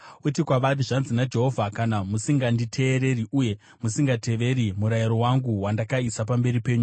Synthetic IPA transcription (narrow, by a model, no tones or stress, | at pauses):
utikwaʋariʐanzinad͡ʒe̞ɦo̞vʱakanamusiŋɡanditʰe̞ːɾe̞riʔuje̞ | musiŋɡatʰe̞ʋe̞ɾimuɾajiɾo̞waŋɡuwandakaisap̬ambe̞ɾipe̞ːɲu